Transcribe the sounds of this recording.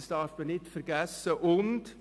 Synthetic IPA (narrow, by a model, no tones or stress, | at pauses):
sd̥ɑɾfmənɪtfəɾɡ̥æsːəʔʊnd